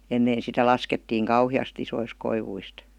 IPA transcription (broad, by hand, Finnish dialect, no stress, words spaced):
enːeː sitæ lɑsketːiːŋ kɑuhiɑst isois koiʋuist